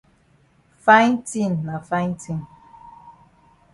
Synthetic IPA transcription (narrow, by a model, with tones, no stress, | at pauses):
fa˦jn˦ti˦˨n̩ː˨a˨fa˦jn˦tʰi˦˨n˨